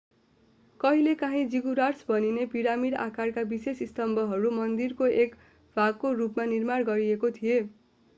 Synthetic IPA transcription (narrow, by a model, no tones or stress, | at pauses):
kʌɦilekaɦĩd͡ziɡuɾarsbʱʌninepiɾamiɽa̰karkabisesist̪ʌmbʱʌɦʌɾumʌnd̪irkoek | bʱaɡkoɾupmanirmarɡʌɾiekot̪ʰie